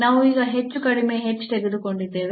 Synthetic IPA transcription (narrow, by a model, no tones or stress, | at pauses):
naːʋuiːɡɐɦet͡ʃːukɐɽime̞ɦet͡ʃːu̥t̪eɡed̪uko̞ɳɖid̪ːeːʋ